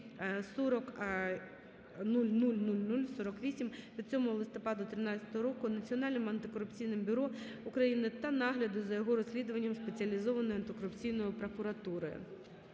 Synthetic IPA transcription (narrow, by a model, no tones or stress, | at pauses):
sɔɾɔk | nulʲnulʲnulʲnulʲsɔɾɔkʋʲisʲimʋʲid̪̚t͡sʲɔmʊlˠɪst̪ɔpɑd̪ʊt̪ɾɪnɑt͡sʲɐ̥t̪ɔɦɔɾɔkʊnɐt͡sʲiɔnɑlʲnɪmɐnt̪ɪkɔɾʊpt͡sʲijnɪmbʲʊɾɔ | ʊkɾɐjinɪt̪ɐnɑɦlʲɐd̪ʊzɐjɔɦɔɾɔsʲlʲid̪ʊʋɐnʲːɐmspet͡sʲiɐlʲizɔʋɐnɔjʊɐnt̪ɪkɔɾʊpt͡sʲijnɔjʊpɾɔkʊɾɐt̪uɾɔjʊ̰